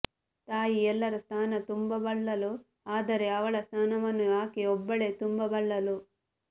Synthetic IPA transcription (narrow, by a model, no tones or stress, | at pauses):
t̪aːjiɛlːɐɾɐst̪ʰaːnɐt̪umbɐbɐɭːɐlu | aːd̪ɐɾeɐʋɐɭɐst̪ʰaːnɐmɐnuaːkiɔbːɐɭeːt̪umbɐbɐɭːɐlu